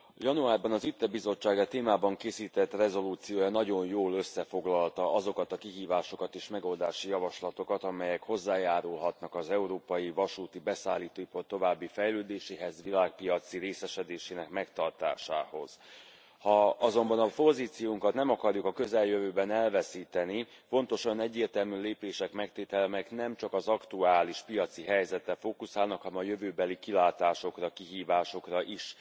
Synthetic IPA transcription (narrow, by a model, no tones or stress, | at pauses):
jɒnuaːrbɒnɒzit̪ːɛbizo̞t͡ʃːaːɡɒt̪eːmaːbɒŋkeːsiːt̪ɛt̪ːrɛzo̞luːt̪sijoːjɒnɒɟo̞njoːløsːɛfo̞ɡlɒlt̪ɒɒzo̞kɒt̪ɒkiɦiːvaːʃo̞kɒt̪eːʃmɛɡo̞ld̪aːʃijɒvɒʃlɒt̪o̞kɒt̪ɒmɛjɛkho̞zːaːjaːɾulɦɒt̪nɒkɒzɛuɾoːpɒjivɒʃuːt̪ibɛsaːliːt̪oːipɒrt̪o̞vaːbːifɛjløːd̪eːʃeːɦɛzvilaːk̚pijɒt̪siɾeːsɛʃɛd̪eːʃeːnɛkmɛkt̪ɒrt̪a̰ːʃa̰ːho̞z̥ | hɒɒzo̞mbɒnɒpo̞ziːt̪sijuŋkɒt̪nɛmɒkɒrjukɒkø̞zɛljøvøːbɛnɛlvɛsiːt̪ɛni | fo̞nt̪o̞ʃɒnɛɟːeːrt̪ɛlmyleːpeːʃɛkmɛkt̪eːt̪ɛlmɛknɛmt͡ʃɒkɒzɒkt̪uaːliʃpijɒt̪siɦɛjzɛt̪ːɛfoːkusaːlnɒkhɒnɛmɒjø̞vøːbɛlikilaːt̪aːʃo̞krɒkiɦiːvaːʃo̞krɒʔiʃ